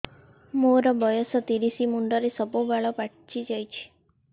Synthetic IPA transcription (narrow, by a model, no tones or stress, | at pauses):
moɾɔbɔjɔsɔt̪iɾisimuɳɖɔɾesəbobaɭɔpaʈʰt͡ʃid͡ʒajt͡ʃʰe̥